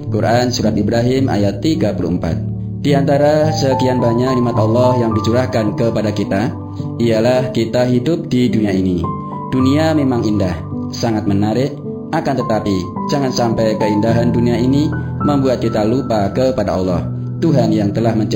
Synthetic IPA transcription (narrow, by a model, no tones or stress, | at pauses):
kurʔansuɾat̪ibɾaɦɪmʔa̰jat̪ːiɡapulṵmpa̰t̪̚ | d̥iant̪aɾasəkianbaɲaʔnimat̪ɑlːɔhjaŋdit͡ʃuɾahkankəpadakit̪a | ijalahkit̪aɦidʊp̚diduniaini | d̥uniamemaŋindah | saŋat̪̚mənaɾɪʔ | akant̪ət̪apid͡ʒaŋansampɛjkəindaɦanduniaini | məmbuat̪̚kit̪alupakəpadaɑlːɔ̰h | t̪uɦanjaŋt̪əlahməɲt͡ʃ